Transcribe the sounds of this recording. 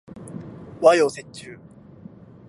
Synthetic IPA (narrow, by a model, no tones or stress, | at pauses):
wajosetɨː